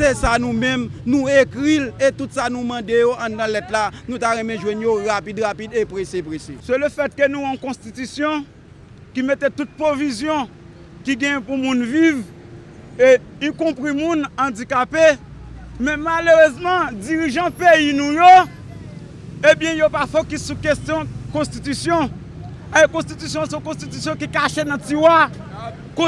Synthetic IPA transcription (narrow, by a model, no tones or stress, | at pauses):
sesanũmɛ̃mnũekʁilet̪ut̪sanũmɑ̃dejoʔãd̪ãlɛtlanũt̪aɣɛ̃mɛ̃ʒwɛ̃njoɣapidɣapidepʁesepʁesesɛləfɛt̪̚kənũwɔ̃kɔ̃st̪it̪ysjɔ̃ | kimet̪et̪ut̪̚pʁovizjɔ̃ | kiɡɛ̃jɛ̃pumũnviv | eikɔ̃pʁimũnɐ̃d͡zikapemɛ̃maløʁøzmɑ̃d͡ziʁiʒɑ̃pejinũjo | ebjɛ̃jopafokisukestjɔ̃kɔ̃st̪it̪ysjɔ̃ | kɔ̃st̪it̪ysjɔ̃sɔ̃kɔ̃st̪it̪ysjɔ̃kikaʃenɐ̃tiwa | kõ